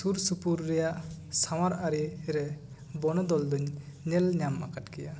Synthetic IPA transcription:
suɾsupuɾːɛjaʔsawaɾaɾiɾɛ | bɔnɔd̪ɔld̪uɲnɛlɲama̰katkɛja

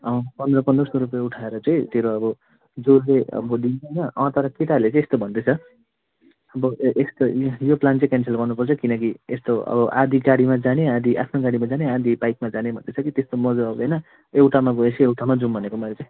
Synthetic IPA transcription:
ʌ̃pʌnd̪rʌpʌnd̪rʌsoɾup̬jauʈʰaeɾʌt͡sãĩt̪eɾoʌbʌ | d͡zorleʌ̰bʌɖienʌʌ̃t̪ʌɾʌkiʈalet͡sãĩest̪obʱʌnd̪et͡sʰʌ | ʌbʌʔest̪ojoplant͡sʌ̃kansʰelɡʌnupʌrt͡sʰʌkinʌkiest̪oʌ̰bʌʔa̰d̪ʱiɡaɽimad͡zanead̪ʱiʔa̰pʰnoɡaɽimad͡zanead̪ʱibajk̚mad͡zanebʱʌ̰nd̪et͡sʰʌkit̪est̪omʌd͡zʌʌbd̪ʌjnʌ | ewʈamaɡoet͡sʰiewʈʰamad͡zumbʱʌnekomʌeɾlet͡sãĩ

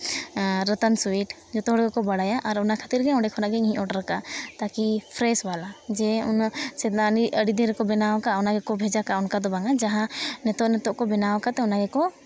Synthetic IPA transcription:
ɾət̪ansuiʈ | d͡ʒɔt̪ɔɦɔɽɛɡɛkɔbaɽajaʔaɾɔnakʰat̪iɾɡɛɔ̃ɖɛkʰɔnaɡɛŋɦĩʔɔʈɾəkat̪akipʰɾɛsbalad͡ʒɛunsɛt̪naniʔəɽid̪inɾɛkɔbɛnawakaɔnaɡɛkɔbʱɛd͡ʒakaɔnkad̪ɔbaŋad͡ʒaɦãnɛt̪ɔʔnɛt̪ɔʔkɔbɛnawkat̪ɛɔnaɡɛkɔ

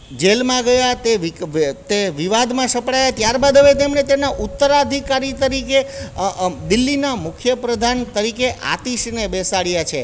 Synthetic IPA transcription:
d͡ʒelmãɡəjat̪eʋit̪eʋiʋad̪mãsəpɽajat̪jaɾbad̪əʋet̪emɳet̪enaʔut̪ːəɾad̪ʱikaɾit̪əɾike | d̪ɪlːinamʊkʰjəpɾəd̪ʱant̪əɾikeʔa̰t̪iʃnebesaɭjat͡ʃʰe

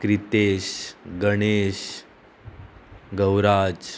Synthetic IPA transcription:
kɾit̪eɕɡəɽ̃eɕ | ɡəwɾad͡ʑ

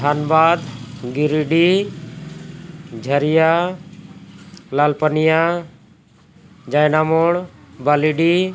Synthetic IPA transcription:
d̪ʰʱanbaːd̪ɡiɾiɖi | d͡ʒʱəɾija | lalpənija | d͡ʒajnamoɽbaliɖi

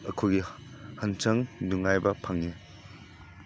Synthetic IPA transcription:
ɐkʰuɡi | hɐnt͡ʃɐŋnuŋajbɐpʰaŋi

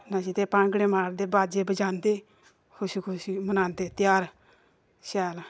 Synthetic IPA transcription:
nasit̪eːpãːŋɡɽeːmaːɾd̪eːbaːd͡ʒeːbəd͡ʒaːnd̪eː | kʰʊsikʰʊsimənãːnd̪eːt̪ɪjaːɾ | ʃɛːl

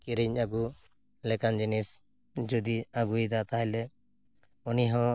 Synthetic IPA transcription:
kiɾiɲaɡu | lɛkand͡ʒinis | d͡ʒud̪iaɡujd̪at̪ajlɛ | uniɦɔ̃

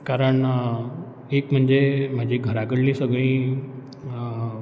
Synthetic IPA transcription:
kaɾəɳ | ekm̤əɳd͡zem̤ad͡ʑʱiɡʱəɾaɡəɽlĩsəɡɭĩ

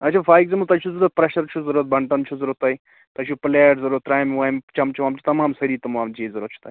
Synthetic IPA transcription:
ɐt͡ʃʰaːfaːiɡzɐmut̪ɐt͡ʃʰuzɐɾuɾət̪̚pɾeʃɐɾt͡ʃʰuzɐɾuːɾɐt̪̚bʱɐɳʈɐnt͡ʃʰuzɐɾɐt̪ɐːi | t̪ɐt͡ʃʰupɐleːʈzɐɾuːɾət̪ːɾaːjmʋaːmt͡ʃɐmt͡ʃʰuʋaːmt͡ʃʰit̪ɐmaːmsɐɾit̪ɐmaːmd͡ʒiːzɐɾuət̪t͡ʃʰu̥t̪ai

